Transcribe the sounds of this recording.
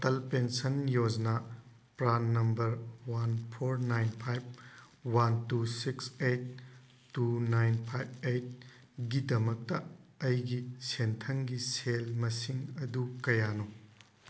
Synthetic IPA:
tɐlpensɐnjod͡ʒna | pɾanːɐmbɐɾwanpʰoɾnajnpʰajb̚ | wantusiksejt̚ː | unajnpʰajb̚ejt̚ | ɡidɐmɐk̚tɐɐjɡisentʰɐŋɡiselmɐsiŋɐdukɐjano

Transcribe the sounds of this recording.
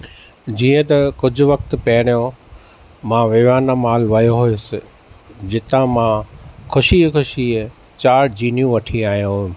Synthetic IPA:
d͡ʑiːə̃t̪ɐkʊd͡ʑʱʊ̆ʋɐk̚t̪̆pɐɦɪɽ̃ijõ | mãːʋɪʋaːnamaːlʋɐjoɦujʊsɪ | d͡ʑɪt̪ãmãkʰʊʃikʊʃi | t͡ɕaːɽd͡ʑiːnjũʋɐʈʰiaːɦijũɦujũ

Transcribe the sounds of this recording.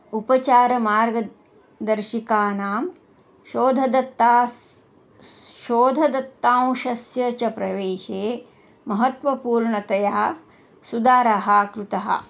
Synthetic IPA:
upɐt͡ʃaːɾɐmaːɾɡɐ | d̪ɐɾʃikaːnaːm | ʃoːd̪ʱɐd̪ɐt̪ːaː | ʃoːd̪ʱɐd̪ɐt̪ːaːw̃ʃɐsjɐt͡ʃɐpɾɐʋeːʃeː | mɐɦɐt̪ʋɐpuːɾɳɐt̪ɐjaː | sud̪aːɾaɦaːkɾut̪ɐɦɐ̰

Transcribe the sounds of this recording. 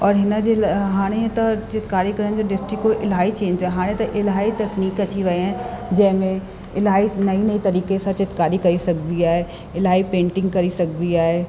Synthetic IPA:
ɔːɾɦɪnəd͡ʒeɦaːɽ̃ẽt̪ɐt͡ʃɪt̪kaːɾikɐɾənd͡ʑoɖɪsʈɾɪkːoʔɪlɦaːit͡ʃẽːɲaɦaːɽ̃ẽt̪ɐʔɪlɦaːit̪ɐkniːkɐt͡ɕiʋɐeɦɛ̃d͡ʒɐɦmẽ | ɪlɦaːinɐinɐit̪ɐɾiːkesãt͡ʃɪt̪kaːɾikɐɾisɐkbiaːɦe | ɪlɦaːipẽːɳʈɪ̃ŋɡkɐɾisɐk̚biaːɦeː

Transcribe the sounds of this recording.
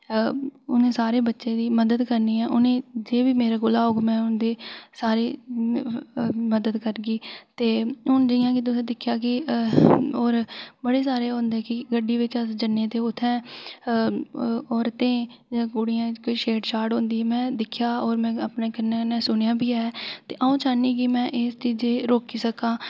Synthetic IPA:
ʊnẽːsaːɾeːbətːʃẽːd̪iːməd̪əd̪kəɾniːɛːʔʊnẽːd͡ʒeːbiːmeːɾaːɡʊlaːoːɡmɛ̃ːʊnd̪eːsaːɾeː | məd̪əd̪kəɾɡiːt̪eːʊnd͡ʒəɪjãːkɪt̪̬ːsẽːd̪ɪkʰːjaːkɪ | oːɾbəɽeːsaːɾeːɦʊ̃nd̪eːkɪɡəɖːiːʋɪt͡ʃəsd͡ʒənːẽːt̪eːʊt̪ʰːɛ̃ː | oːɾt̪ẽː | d͡ʒaːɡʊɽɪjãːkoiːʃeːʈt͡ʃaːɾʈɦõːnd̪iːɛːmɛ̃ːd̪ɪkʰjaːoːɾmɛ̃ːəpneːkɪnɛːnːɛ̃ːsʊnjãːbʱiːɛːt̪eːʔaũːt͡ʃaːniːkɪmɛ̃ːʔɪst͡ʃiːd͡ʒeːɾoːkiːsəkãː

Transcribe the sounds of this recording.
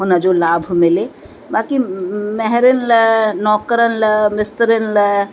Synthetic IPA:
ɦonəd͡ʒolaːbʱmɪle | baːkimɛɦɾenlənɔːkəɾənləmɪst̪ɾenlə

